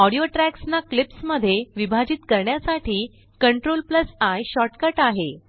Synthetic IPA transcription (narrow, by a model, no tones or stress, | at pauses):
ɔɽijoʈɾæksnaklipsməd̪ʱːjeʋibʱad͡ʑiːt̪kəɾɳjasaʈʰiː | kəɳʈɾolpləsajɕɔʈkəʈaɦe